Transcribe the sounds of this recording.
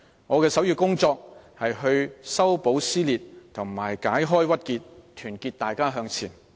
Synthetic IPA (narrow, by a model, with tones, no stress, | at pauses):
ŋɔː˨˧kɛː˧sɐ˨˥wjyː˧kʊ˥ŋt͡sɔː˧k̚hɐ˨jɦɵ˧ɥsɐ˥wpo˨˥wsiː˥liː˨t̚t̪ʰʊ˨˩ŋmaː˨˩jkaː˨˥jɦɔː˥jwɐ˥t̚kiː˧t̚t̪ʰyː˨˩nkiː˧t̚t̪aː˨jkaː˥ɦœː˧ŋt͡sʰiː˨˩n